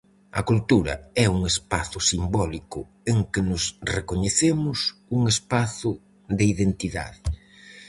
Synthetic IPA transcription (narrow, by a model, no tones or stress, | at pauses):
ɐ̰kult̪uɾɐ̰ɛuŋespaθʊsimbɔlikʊ̰ | eŋkɪnʊsrekoɲeθemʊsuŋespaθʊ | ðɪiðent̪iða̰ðɪ